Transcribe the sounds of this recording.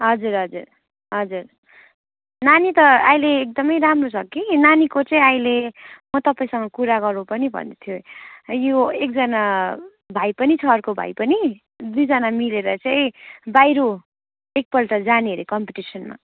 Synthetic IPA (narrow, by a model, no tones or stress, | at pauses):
ɦʌd͡zuɾɦʌd͡zur | ɦʌd͡zur | nanit̪ʌajleːk̚d̪ʌmʌjɾamrosʰʌkinanikot͡sʌĩajlemʌt̪ʌpaĩsʌŋɡʌkuɾaɡʌrnũpʌnibʱʌ̰nd̪ʌt̪ʰjojoek̚d͡zʌna | bʱajpʌnit͡sʰʌːrkobʱa̰jpʌni | d̪ujd͡zʌnamileɾʌt͡saĩbajɾo | ek̚pʌlʈʌd͡zaneʌɾekʌmpiʈisʌnma̰